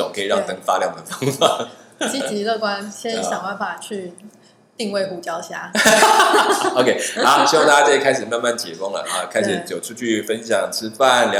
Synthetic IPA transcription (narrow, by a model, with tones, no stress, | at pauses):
o̰˨˩ŋkʰə˧˥i˨˩ɻɑ˥˩ŋt̪ə˧˩ŋ˩fa˦˥ljɑ˥˩ŋd̪ə˩fɑ˥ŋfa˨˦t͡ɕi˥t͡ɕi˧˥lɤ˥˨˩kwa˦nɕjɛ˥n˧˥˩ɕjɑ˨˩ŋwa˥˩nfa˨˩t͡ɕʰy˥˧ | t̪i˥˧ŋwe˥˧ɪxu˨˩t͡ɕjɑ˥ʊɕja˥ | o˧kʰe˥ɪa˧˦ɕwŋt̪a˥˩t͡ɕa˥ʈ͡ʂə˥˩i˥kʰa˥ɪʂ̬̩˨˩ma˥˧nma˥˩nt̪ʰjḭ˨˩fo˥ŋlə̰˨˩ʔa˨˩kʰa˥ɪʂɻ̩˨˩t͡ɕjo˨˩ʈ͡ʂʰu˥˧t͡ɕʰy˥˩fə˦nɕjɑ˨˩ŋʈ͡ʂʰɻ̩˥fa˥˨˩nlj